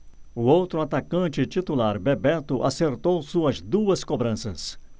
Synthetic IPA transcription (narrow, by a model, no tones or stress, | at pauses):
ʊowt̪ɾʊat̪akɐ̃nt͡ʃɪt͡ʃit̪ulaɾbebɛt̪ʊʔaseɾt̪owsuɐzd̪uɐskobɾɐ̃sɐs